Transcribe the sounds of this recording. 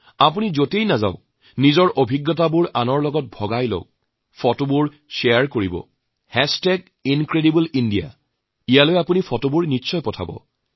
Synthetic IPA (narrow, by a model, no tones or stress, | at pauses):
apunizotejnaza̰ʊ | nizɔɹʔobʱiɡːɔtabuɹanɔɹlɔɡɔt̚bʱɔɡajlo̰k̚ | fʰɔtobuɹ | ʃeaɹkoɹibɔ̰ | hɛstɛɡ | inkɹeɾibulindia̰ | ijalojapunipɔtobuɹnitːsɔjpɔtʰa̰bɔ̰